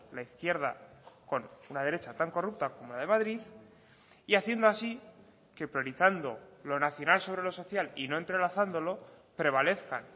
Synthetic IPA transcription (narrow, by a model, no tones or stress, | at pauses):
laiθkje̞ɾða̰ko̞nunað̞e̞ɾe̞t͡ʃat̪aŋko̞rup̚t̪akomo̞lað̞e̞maðɾið | iaθje̞nd̪oasi | ke̞pɾjo̞ɾiθand̪o̞lo̞naθjo̞nalso̞β̞ɾe̞lo̞so̞θjalino̞ent̪ɾe̞laθand̪o̞lo̞ | pɾe̞β̞ale̞θka̰n